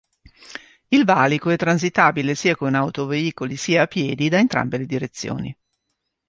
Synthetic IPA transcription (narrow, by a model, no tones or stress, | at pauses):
ilvaːlikoɛt̪ːɾans̬it̪aːbilesiːakonawt̪oveiːkolisiːaːpːjɛːd̪id̪aent̪ɾa̰mbeled̪iɾet̪sːjo̰ːnḭ